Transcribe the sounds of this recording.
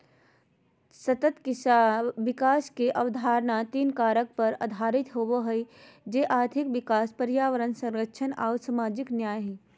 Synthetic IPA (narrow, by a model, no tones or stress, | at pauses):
sɐt̪ət̪kɪʋɪkaːskeʔɐʋd̪ʱaːɾnat̪iːnkaːɾək̚pɐɾɐd̪ʱaːɾɪt̪ɦoʋoɦəid͡ʒeːʔaːɾt̪ʰɪkʋɪkaːspəɾjaːʋəɾənsɐ̃ŋɾəkːʃʰəna̰ːʊsamaːd͡ʒɪknjaːjɦɛ